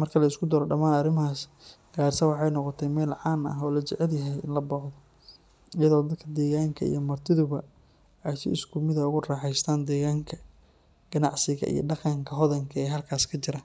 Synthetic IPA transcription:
mɐrkʰɐlɐɪskʰʊd̪ɐɾɔɖɐmaːnɐrɪmhaːs | ɡ̥aːrsɐwɑħɑjnɔqɔt̪ʰɛjmɛːlʕɑːnɐ̰ɦɔːlɐt͡ʃɛʕɛljɐɦɛjɪ̰nlɐbɔːħðɔ | ɪjɐðɔːd̪ɐd̪̚kʰɐd̪ɛːɣaːŋkʰɐ̰ḭjɞmɐrt̪ʰɪðʊβɐ | ɛjsɪ̰ɪskʰʊmɪðɐʊɣʊrɑːħɛjst̪ʰaːnd̪ɛːɣaːŋkʰɐ | ɡ̥ɐnɑʕsɪɣɐ̰ʔḭjɞ̰ɖɑqɑŋkʰɐɦɔðɐŋkʰɐɛːɦɐlkʰaːskʰɐt͡ʃɪɾɐ

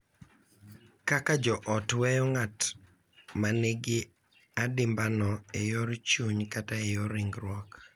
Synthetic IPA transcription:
kakad͡ʒɔʔɔtwɛjɔŋat | maneɡɪ | adɪmbanɔejoɾt͡ʃuɲkataejoɾɪŋɡɾwɔk

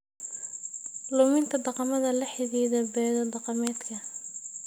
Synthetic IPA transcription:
lʊmɪnt̪ʰɐd̪ɑqɑmɐðɐlɐħɪðiːðɐbɛːðɐd̪ɑqɑmɛːd̪kʰɐ

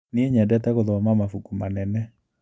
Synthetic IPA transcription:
nieɲɛdɛtɛɣoðɔmamafukumanɛnɛ

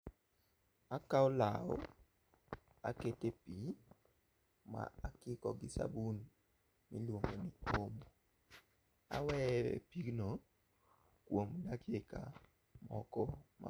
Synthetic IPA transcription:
akaɔlao̰ | a̰ketepi | ma̰akɪkɔɡɪsa̰bun | milwoŋɡoniomo | a̰wɛpikno | kwomdakeka | mɔkɔma̰

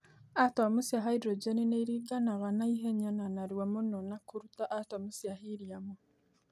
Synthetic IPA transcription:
atwamusjaɦaidɾod͡ʒenineiɾiɡanaɣanaiɦeɲananaɾiwamononakuɾutaʔatamusjaɦiɾiamo

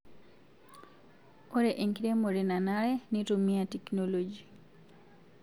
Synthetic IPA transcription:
oɾeʔeŋkiɾemoɾinanaɾɛnitumiateknolod͡ʒi

